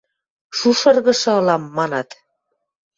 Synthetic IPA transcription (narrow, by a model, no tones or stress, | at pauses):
ʃuʃɤ̆rɣɤ̆ʃɤ̆ɤ̆lɑmːɑnɑt̪